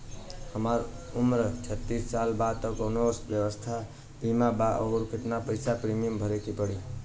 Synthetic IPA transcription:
həmaɾumɾət͡ʃʰət̪ːisːalbad̪t̪əkonosbjəwəst̪ʰa | bimabaə̰ɾkit̪napəjsapɾimijəmbʱəɾekipəɽi

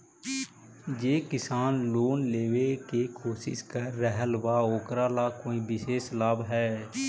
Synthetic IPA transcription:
d͡ʒeːkɪsaːnloːnleːʋekekʰoːsɪ̰skəɾːəɦəlbaːoːkɾaːlaːkoːĩːbɪseːslaːbɦɛː

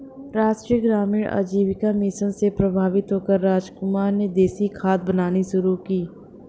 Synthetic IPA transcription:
ɾaːʃʈɾijəɡɾaːmiːɽʔa̰d͡ʒiːʋɪkamɪʃənsepɾɐbʱaːʋɪt̪ɦoːkəɾːaːd͡ʒkʊmaːɾned̪eːsikʰaːt̪̚bənaːniʃʊɾukiː

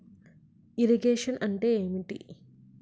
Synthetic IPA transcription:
iɾiɡeːʂɐnʔɐɳʈeːeːmiʈḭ

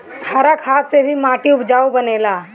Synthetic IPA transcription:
t̪ʰaːɾakʰaːsːebʱimãːʈiʊbd͡ʒaːubɐneːlaː

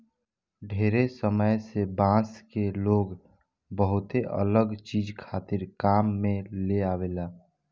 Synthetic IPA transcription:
ɖʱeːɾesəməjsebãːskeloːɡ | bəɦʊt̪eʔə̰ləɡt͡ʃiːd͡ʒkʰaːt̪ɪɾkaːmːẽleaːʋeːlaː

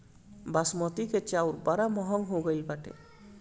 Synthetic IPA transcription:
basmɔt̪iket͡ʃawɾbaɾamɔɦɔŋɦoɡɔjlbaʈḛ

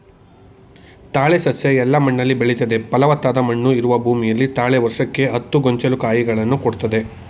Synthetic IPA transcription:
t̪aːɭesɐsjɐɛlːɐmɐɳːɐlːibeɭit̪ɐd̪e̞pɐlɐʋɐt̪ːaːd̪ɐmɐɳːuiɾuʋɐbʱuːmijɐlːit̪aːɭeʋɐɾʂɐkːe̞ɦɐt̪ːuɡoɲt͡ʃɐlukaːjiɡɐɭɐnːukoɽt̪ɐd̪e̞

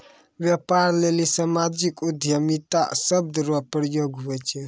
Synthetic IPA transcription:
ʋjepaɾlelisamad͡ʒikud̪ʱjəmit̪a̰səb̚d̪əɾʋapəɾjoɡɦuɛt͡ʃʰɛ

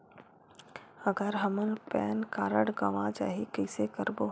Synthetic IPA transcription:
əɡəɾɦɐmənpɛːnkaːɾəɽɡɐʋad͡ʒa̰ːɦikəɪsekəɾboː

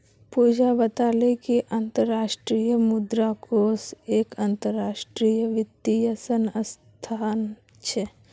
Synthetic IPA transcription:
puːd͡ʒabət̪aːlekiʔənt̪əɾːaːʃʈɾijəmʊd̪ɾakoːseːkənt̪əɾːaːʃʈɾiːjəʋɪt̪ːijəsənəs | t̪ʰaːn | t͡ʃʰe

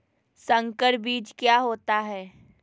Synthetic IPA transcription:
sə̃ŋkəɾbiːd͡ʒkjaːɦoːt̪aɦɛː

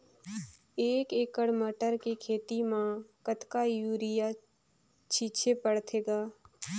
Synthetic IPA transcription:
eːkeːkəɽməʈəɾkekʰeːt̪imãkət̪kajuːɾɪja | t͡ʃʰiːt͡ʃʰepəɽt̪ʰeːɡaː

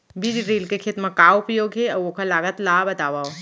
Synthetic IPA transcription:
bid͡ʒiɾeːlkekʰet̪mɐ̃kaːʊpjoːɡɦeɔokalaːɡət̪laːbɐt̪aːʋao

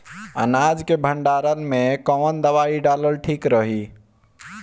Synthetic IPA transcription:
ə̰nad͡ʒkebʱəɳɖaɾənmekəmənd̪əβaiɖaləlʈʰikɾəɦi

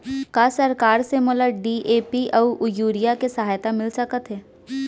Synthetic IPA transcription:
kaːsɐɾkaːɾsemoləɖiːʔeːpiʔɔːʊjuːɾijakesɐɦaːjt̪amɪlsɐkət̪ɦɛː

